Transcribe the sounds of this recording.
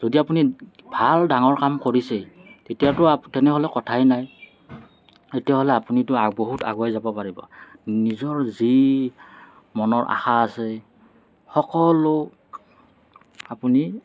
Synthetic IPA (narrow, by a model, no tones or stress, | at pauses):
z̥odiapuni | bʱaldaŋɔɹkamkoɹisetetijatʊatɛnɛɦɔlɛkɔtʰajnaj | etijaɦolɛapunitʊaboɦuta̰ɡuajzabɔpaɹibɔ̰nizɔɹzi | mɔnɔɹʔa̰xaːsɛ | xɔkɔlʊ | apuni